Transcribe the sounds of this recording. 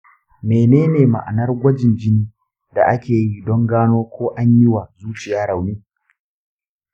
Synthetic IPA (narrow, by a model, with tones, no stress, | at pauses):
meː˨neː˦neː˨ma̰˨ʔa̰˨nɐ˦rɡʷɐ˦d͡ʒɪ˨nd͡ʒɪ˦niː˦ | da˨ʔa˦kʲeː˨ji˦dɔ˦ŋɡaː˦noː˦kʷoː˦ʔa˦ɲji˦wa˨zuː˦t͡ʃɪ˨jaː˦ɽa˨wniː˦